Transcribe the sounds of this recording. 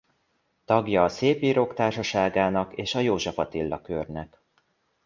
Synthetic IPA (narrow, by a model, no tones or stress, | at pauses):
t̪ɒɡjɒːseːpiːɾoːkt̪aːrʃɒʃaːɡaːnɒkeːʃɒjoːʒɒfɒt̪ilːɒkørnɛk